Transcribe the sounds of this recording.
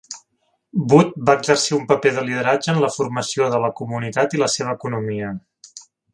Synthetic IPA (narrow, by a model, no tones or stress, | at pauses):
but̪̚baəɡzərsiumpəpeðəliðəɾad͡ʒəːnləfurməsioðələkumunit̪at̪iləseβ̞əːkunumiə